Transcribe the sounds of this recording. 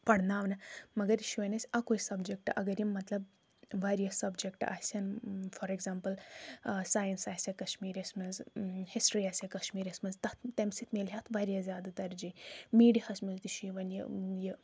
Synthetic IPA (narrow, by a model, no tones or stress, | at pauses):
pɐɽnaːʋnɐmɐɡɐɾʃiʋɐnɐsʲɐkoisɐbd͡ʒek̚ʈʔɐɡɐɾjimːɐt̪lɐb | ʋaɾjɐsɐbd͡ʒek̚ʈa̰sʲɐnfɔɾeɡzampəlsaːjɐnsaːsʲjɐkɐʃmiːɾɐsmɐnzhisʈɾiasʲjɐkɐʃmiːɾɐsmɐnzt̪ɐt̪ʰt̪emsit̪ʰmelɦat̪ʰʋaɾʲjɐzʲjaːd̪ɐt̪ɐɾd͡ʒimiːɽihɐsʲmɐzt̪iʃiʋɐnjɐ̰jɐ